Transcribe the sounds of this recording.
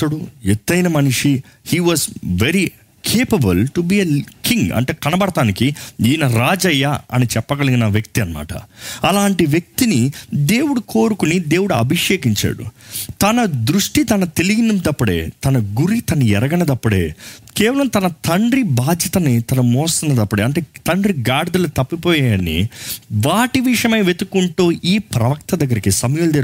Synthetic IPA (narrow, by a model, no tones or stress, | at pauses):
t̪ːɐɽuet̪ːɐjnɐmɐnuʂihiːʋɐːzʋeɾi | kʰeːpɐbɐlʈubiːekʰiŋɡɐ̰ɳʈeːkɐnɐbɐɽɐt̪aːnikiiːnɐɾaːd͡ʒɐjːaɐ̰nit͡ʃɛpːɐɡɐliŋinɐʋjɐk̚t̪iɐnɐma̰ːʈɐ̰ɐlaːɳʈiʋjek̚t̪inid̪e̞ːwuɽukoːɾukunid̪e̞ːwuɽuɐ̰bʱiʂeːkiɲt͡ʃa̰ːɽṵt̪ɐnɐd̪ɾuʂʈit̪ɐnɐt̪e̞liɡinumd̪ɐpːɐɽe̞̰ːt̪ɐnɐɡuɾit̪ɐnɐɛɾɐɡɐnɐd̪ɐpːuɽḛːkɛːʋɐlɐmt̪ɐnɐt̪ɐɳɖɾibaːd͡ʒjɐt̪ɐnit̪ɐnɐmɔːsɐnɐd̪ɐpːuɐɽeːɐɳʈe̞ːt̪ɐɳɖɾiɡaːɽɐd̪ɐlɐt̪ɐpːipɔːjaɐnḭʋaːʈiʋiʂɐmeːʋet̪ukːuɳʈuːʔiːpɾɐʋɐk̚t̪ɐd̪ɐɡːɐɾikisɐmɐjuld̪eːɾ